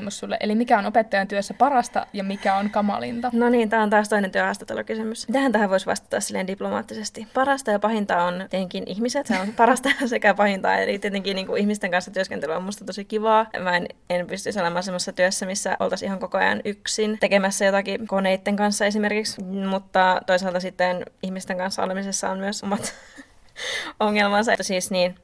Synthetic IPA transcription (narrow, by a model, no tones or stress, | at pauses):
mːosːulːḛʔelimikæonopet̪ːɑjɑnt̪yøsːæpɑrɑst̪ɑ̰jɑmikæonkɑmɑ̰lḭnt̪ɑnoniːnt̪æːont̪ɑːst̪oinent̪yøhɑːst̪ɑt̪ːḛlṵkysymysmit̪æhænt̪æhæʋoisʋɑ̰st̪u̥t̪ːɑ̰silːhendiplomɑ̰ːt̪ːisest̪ipɑɾɑst̪ɑjɑpɑhint̪ɑontet̪eŋkinʔihmiset̪onpɑɾɑst̪ɑsekæpɑhint̪ɑ̰ḛlit̪iet̪eŋkinniːŋkuihmist̪eŋkɑnsːɑt̪yøskent̪elyomːust̪ɑt̪osikiʋɑːʋɑinenpyst̪yisolemɑːnsemːosesːɑt̪yøsːæmisːæʔo̰lt̪ɑsihɑŋkokoɑ̰jɑ̰nyksint̪ekemæsːæjot̪ɑkikoneit̪ːeŋkɑnsːɑes̬imerkiksmut̪ːɑt̪oisɑlt̪ɑsit̪ːenihmist̪eŋkɑnsːɑ̰o̰lemisesːɑommyøsomːɑt̪ | oŋːelmɑnsɑt̪ːsiːsniːn